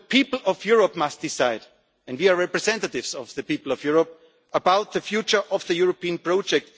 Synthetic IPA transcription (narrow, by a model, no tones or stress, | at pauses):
əpʰiːpl̩ˠɔvjʊɹɔp̚mʌst̚d̥ɪsaɪd | ɛ̃ndwiaɹɛpɹɨzɛ̃ntətɪvsɔvðɨpipl̩ˠɔvjʊɹɔp̚ | əbaʊt̪̚ðəfjut͡ʃə˞ʔɔvðəjʊɹopĩə̃npɹ̥ɔʊd͡ʒɛk̚t